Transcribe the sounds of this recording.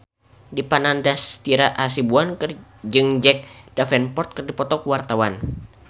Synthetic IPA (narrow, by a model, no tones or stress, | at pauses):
dipanandast̪iɾaʔas̬ibuand͡ʒɨŋd͡ʒɛk̚d̥afɛnpɔrt̪̚kɨrdipɔt̪ɔkuwart̪awan